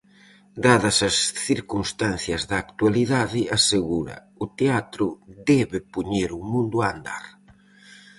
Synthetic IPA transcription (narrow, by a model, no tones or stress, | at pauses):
d̪aðɐsɐsθiɾkunst̪anθjɐzðɐːkt̪ualiðaðɪaseɣuɾɐ̰ | ʊt̪eat̪ɾʊd̪ɛβɪpuɲeɾumũnd̪uand̪a̰ɾ